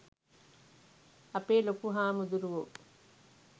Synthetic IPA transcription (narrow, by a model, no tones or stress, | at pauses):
ɐpeːlokuɦaːmud̪uɾuʋo